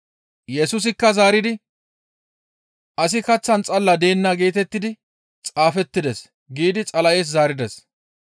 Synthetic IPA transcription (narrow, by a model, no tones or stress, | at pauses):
jɛsʊs̬ɪkːɐzaːɾɪd̪ɪ | ʔɐsɪkɐt͡sːɐnt͡sʼɐlːɐd̪e̞ːnːaɡe̞ːt̪ɛt̪ːɪd̪ɪ | t͡sʼaːfɛt̪ːɪd̪ɛs | ɡiːd̪ɪt͡sʼɐlɐjeːs̬zaːɾɪd̪ɛs